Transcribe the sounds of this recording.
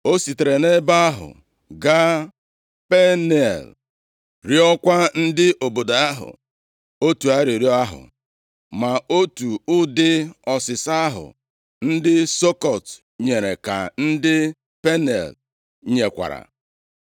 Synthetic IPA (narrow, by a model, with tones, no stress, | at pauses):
o˦si˨te˨ɾe˨ne˦ba˦a˦ɦʊ̰˨ | ɡa˦ | pe˦ne˨l | ɾi˦ɔ˦kʷa˦n̩˦dɪ˦ʔo˨bo˨da˨a˦ɦʊ̰˨ | o˦tu˨a˦ɾi˨ɾi˦a˦ɦʊ̰˨ | ma˨o˦tu˨ʊ˦dɪ˦ɔ˨sɪ˨sa˦ɦʊ̰˨ | n̩˦dɪ˦so˦kɔ˨t | ɲe˨ɾḛ˨ka̰˨n̩˦dɪ˦ | pe˦nḛ˨l | ɲe˨kʷa̰˨ɾa̰˨